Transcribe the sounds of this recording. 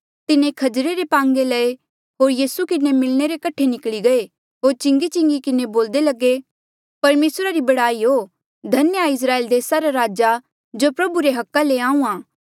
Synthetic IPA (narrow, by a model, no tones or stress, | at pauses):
t̪ɪnekʰɐd͡ʒɾeɾepãːŋɡelɐe | ɦoːɾjiːsukɪnemɪlneɾekɐʈʰenɪkɭiɡɐe | ɦoːɾt͡ʃɪ̃ŋɡit͡ʃɪ̃ŋɡikɪneboːld̪elɐɡe | pɐɾmeːsɾaɾibɐɽaːiɦo | d̪ʱɐnjaɪs̬ɾaːeːld̪eːsaɾaɾaːd͡ʒa | d͡ʒoːpɾɐbuɾeɦɐkːaleãːũãː